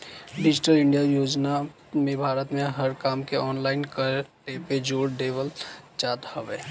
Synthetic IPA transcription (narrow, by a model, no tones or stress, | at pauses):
ɖid͡ʒiʈəlɪɳɖijajoːd͡ʒna | mẽbʱaːɾət̪meɦəɾkaːmkeɔːnlaɪnkəɾʈeped͡ʒoɾɖebəld͡ʒat̪həbe